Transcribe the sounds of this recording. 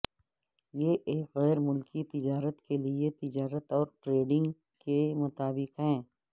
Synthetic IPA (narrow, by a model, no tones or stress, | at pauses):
jeʔeːkɣɛːɾmʊlkʰit̪ɪd͡ʒaːɾət̪kʰeliet̪ɪd͡ʒaːɾət̪ɔːɾʈɾeːɖɪ̃ŋɡ | kemʊt̪aːbɪqɦɛ̃ː